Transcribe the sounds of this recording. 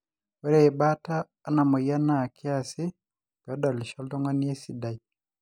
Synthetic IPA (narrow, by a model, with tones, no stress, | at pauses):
wɛ˦ɾɛ˦ɛ˨bataː˦na˨mɔ˨ja˦na˨kʰɪ˦a˨sɪ˦ | pɔ˦da˨li˨ʃɔ˦ldɔ˦ŋɔ˦n˦e˦si˨da˨j